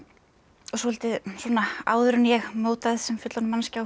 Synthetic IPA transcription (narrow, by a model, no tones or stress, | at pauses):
ɔsɔhɛlt̪ɪsɔnaa̰ːwðʏɾʏnjɛɣmoːwt̪aðɪðsɛmfʏt̪lanmanscaw